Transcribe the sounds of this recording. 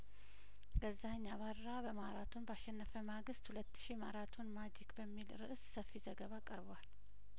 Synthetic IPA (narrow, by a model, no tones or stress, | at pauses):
ɡəzːaɲːaβaɾːabəmaɾat̪ʰunbaʃːɛnːəfəmaɡɨst̪hulət̪ːɨ̥ʃimaɾat̪ʰunmad͡ʒikbəmːilɾɨ̰ʔssəfːizəɡəβakʼəɾbwal